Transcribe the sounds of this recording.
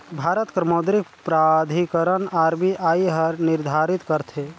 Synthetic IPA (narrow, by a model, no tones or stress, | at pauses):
bʱaɾət̪kɾmod̪ɾik̚pɾad̪ʱikəɾənaɾmiʔaiɦəɾniɾd̪ʱaɾit̪kəɾt̪ʰe